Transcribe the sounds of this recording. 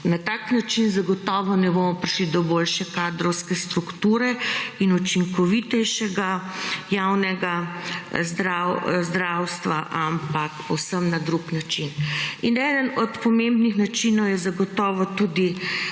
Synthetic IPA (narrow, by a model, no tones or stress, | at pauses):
nat̪aːknat͡ʃinzaɡɔt̪ɔːʋɔnɛbomɔpɾiʃlid̪ɔboːlʃɛkad̪ɾɔwskɛst̪ɾukt̪uːɾɛinut͡ʃiŋkɔʋit̪ɛjʃɛɡajawnɛɡa | zd̪ɾawzd̪ɾawst̪ʋaʔampakpɔwsəmnad̪ɾuknat͡ʃininɛːd̪ənɔt̪pɔmembnixnat͡ʃinɔwjɛzaɡɔt̪ɔːʋɔt̪uːd̪i